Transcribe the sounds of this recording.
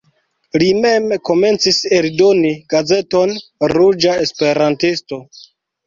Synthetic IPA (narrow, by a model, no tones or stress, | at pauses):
lime̞mko̞me̞nt͡sise̞ldo̞niɡ̥aze̞to̞nɾud͡ʒaespe̞ɾantisto̞